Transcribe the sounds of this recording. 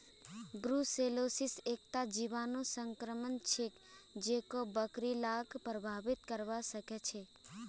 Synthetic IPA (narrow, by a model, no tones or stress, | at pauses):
ɡɾuselosisek̚t̪ad͡ʒiʋanosəŋkɾəmənt͡ʃʰek | d͡ʒekobəkɾilaɡpɾəbʱaʋit̪kəɾʋasəket͡ʃʰe